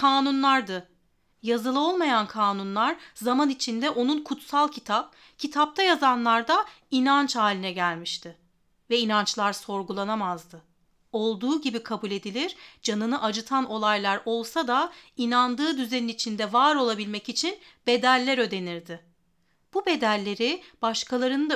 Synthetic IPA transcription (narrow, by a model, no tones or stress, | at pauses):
kʰaːnunlˠaɾd̪ɯ | jazɯlˠɯo̞lˠmajankʰaːnunlˠaɾzamanit͡ʃʰind̪ɛʔo̞nunkʰut̪salˠcʰit̪ʰap̚ | cʰit̪ʰap̚t̪ʰajazanlˠaɾd̪a | inant͡ʃhaːlʲinɛɟælʲmiʃt̪ʰɪ | vɛinant͡ʃlˠaɾso̞ɾɡulˠanamazd̪ɯ | o̞lˠd̪uːɟibikʰabulʲe̞d̪ilʲiɾd͡ʒanɯnɯʔad͡ʒɯt̪ʰano̞lˠajlˠaɾo̞lˠsad̪ainand̪ɯːd̪yzeninit͡ʃʰind̪ɛvaːɾo̞lˠabilʲmɛcit͡ʃʰinb̥e̞d̪ælʲːæɾø̞d̪e̞niɾd̪ɪ | b̥ube̞d̪ælʲːe̞ɾɪb̥aʃkʰalˠaɾɯnɯd̪a